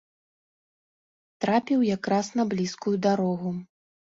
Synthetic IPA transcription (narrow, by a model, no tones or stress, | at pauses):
t̪ɾapʲiwjakɾasnɐblʲiskujud̪aɾɔɣu